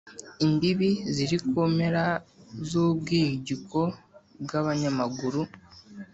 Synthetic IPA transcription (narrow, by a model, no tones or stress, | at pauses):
imbiβiziɾikome̞ɾazubɡiːɟiko̞bɡaβaɲamaɡuɾu